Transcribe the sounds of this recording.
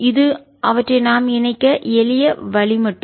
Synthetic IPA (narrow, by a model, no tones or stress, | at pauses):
ɪðɯ | ʔɐʋɐʈrɐɪnaːmɪnɐɪkːɐɛlɪjɐʋɐɭɪmɐʈːɯ